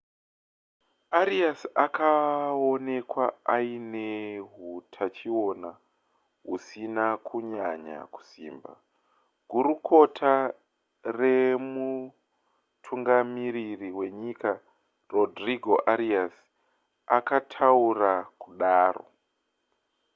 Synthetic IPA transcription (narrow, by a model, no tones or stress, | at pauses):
aɾiasakʰaone̞kwaaineɦutʰat͡ʃio̞na | ɦusinakʰuɲaɲa̰ku̥sḭːmba̰ | ɡ̥ʱuɾukʰo̞tʰa | re̞mu | tʰuŋɡamiɾiriwe̞ɲika | ro̞driɡʱo̞ʔaɾias | akatʰaurakuɗaːro̰